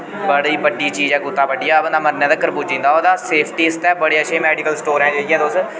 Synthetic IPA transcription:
bəɽiːbəɖːiːt͡ʃiːd͡ʒɛ̃ːɡʊt̪ːaːbəɖːijaːbənd̪aːməɾnẽːd̪aːkəɾbuːd͡ʒĩːnd̪aːoːd̪aːseːpʰʈiːɪst̪ɛːbəɽeːəʃeːmɛːɖiːkəlsʈoːɾɛ̃ːd͡ʒeːɽiːɦɛ̃ːd̪os

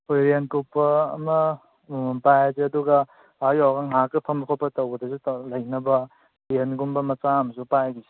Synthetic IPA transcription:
ojɾenkupːɐːmɐ | pajazeɐduɡɐ | ajawɡaŋakɯpʰɐmbɐkʰopːɐtɐwɡɐdɐsulɐjnɐbɐ | denɡumbɐmɐt͡ʃaɐmɐsupajɡizi̥

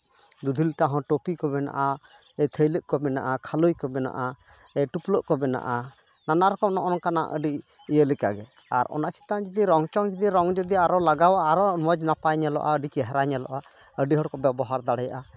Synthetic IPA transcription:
d̪ud̪ʱilʈaɦɔ̃ʈopikɔbɛna̰ʔa | ɛt̪ʰəjləʔkɔbɛna̰ʔakʰalujkɔbɛna̰ʔa | ɛʈupləʔkɔbɛna̰ʔa | nanaɾɔkɔm̚nɔʔɔnkana̰ʔə̰ɖi | ijəlikaɡɛ | a̰ɾɔ̰naʔt͡ʃi̥t̪ad͡ʒid̪iɾɔŋt͡ʃɔŋd͡ʒid̪iɾɔŋd͡ʒɔd̪iaɾɔlaɡawaɾɔmɔd͡ʒnapajɲalɔ̰ʔa̰əɖit͡ʃɛɦɛɾaɲalɔ̰ʔa | əɖiɦɔɽkɔbɛbɔɦaɾd̪aɽɛja̰ʔa

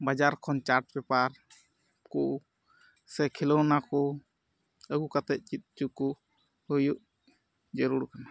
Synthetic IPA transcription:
bad͡ʒaɾkʰɔnt͡ʃaɾʈ̚bɛpaɾ | kuʔ | sɛkʰilɔwnakɔ | əɡukat̪ɛʔ̚t͡ʃit̪̚t͡ʃuku | hujuʔ | d͡ʒəɾuɾkana

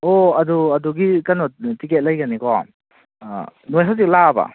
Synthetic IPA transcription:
oɐduɐduɡikanɔtiket̚lajɡanikɔ | nojɦawzik̚laba̰

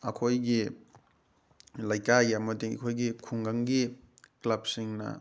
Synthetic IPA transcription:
ɐkʰojɡi | lajkajamɐdiŋɐ̰kʰojɡikʰuŋɡaŋɡiklab̚siŋnɐ̰

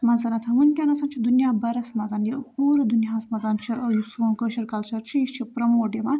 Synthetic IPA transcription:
mɐnzɐnɐt̪ʰɐʋunʲkʲanɐsaːnt͡ʃʰid̪unjaːbɐɾɐsmɐzaːnjihoːɾɐd̪unjaɐsmɐzaːnt͡ʃʰijusuːnkəʃɐɾkɐlt͡ʃʰɐɾt͡ʃʰijit͡ʃʰipɾɐmoːɖemaːn

